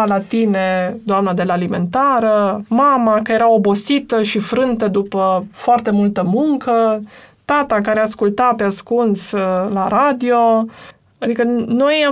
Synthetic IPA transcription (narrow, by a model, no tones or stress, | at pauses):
alat̪ine̞d̪oamnad̪e̞laːlime̞nt̪aɾəmamakəjeɾao̞bo̞sit̪əʃifɾɨnt̪əd̪upəfoart̪e̞mult̪əmuŋkət̪at̪akaɾeaskult̪apeaskunslaɾad̪io̞ | ad̪ikəno̞ja